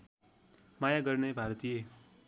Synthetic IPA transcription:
majaɡʌrnebʱaɾʌt̪ije

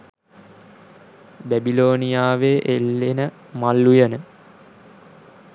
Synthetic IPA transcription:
bæbiloːnijaːʋeʔelːenə | malːujənə

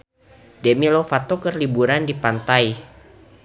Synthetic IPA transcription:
demilofat̪okərlibuɾandipant̪aj

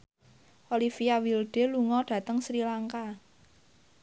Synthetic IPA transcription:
ʔolifiawilɖ̥e̤luŋɔɖ̥ä̤t̪əŋsɾilaŋka

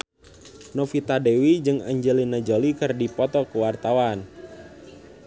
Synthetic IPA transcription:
nɔfit̪adɛwid͡ʒɨŋaɲd͡ʒɛlinad͡ʒolikɨrdipɔt̪ɔkəwart̪awan

